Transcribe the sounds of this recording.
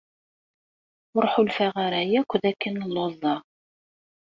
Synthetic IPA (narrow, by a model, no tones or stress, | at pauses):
ʊɾˤħulfæʁaɾæjækʷːðækːənəlːozˤɑ